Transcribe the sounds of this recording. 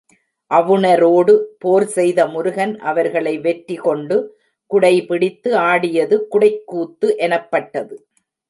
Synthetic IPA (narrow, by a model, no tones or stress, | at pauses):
ʔɐʋɯnɐɾoːɽɯpoːɾsɛjðɐmʊɾʊɣɐnʔɐʋɐɾɣɐɭɐɪʋɛʈɾɪkɔɳɖɯ | kʊɽɐɪpɪɽɪt̪ːɯaːɽɪjɐðɯkʊɽɐɪkːuːt̪ːɯʔɛnɐpːɐʈːɐðɯ